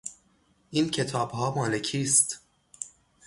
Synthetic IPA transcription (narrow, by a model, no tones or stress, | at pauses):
ʔiːncʰe̞t̪ʰɒːbɦɒːmɒːle̞cʰiːst̪